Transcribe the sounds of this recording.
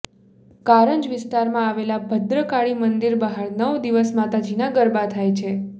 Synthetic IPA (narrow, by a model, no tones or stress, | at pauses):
kaɾəɲd͡ʒʋɪst̪aɾmãaʋelabʱəd̪ɾəkaɭimənd̪iɾbaɦaɽnəʋd̪iʋəsmat̪ad͡ʒinãɡəɾbat̪ʰajt͡ʃʰe